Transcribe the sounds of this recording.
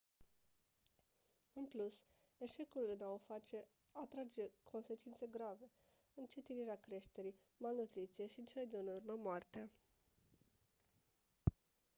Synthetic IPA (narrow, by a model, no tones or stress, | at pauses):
ɨnplus | e̞ʃe̞kulɨnaofat͡ʃe̞ | at̪ɾad͡ʒe̞kʰo̞nse̞t͡ʃint̪se̞ɡɾave̞ | ɨnt͡ʃe̞t̪iniɾeakɾe̞ʃt̪e̞ɾi | malnut̪ɾit̪sije̞ʃiɨnt͡ʃeled̪eɨnurməmoart̪ea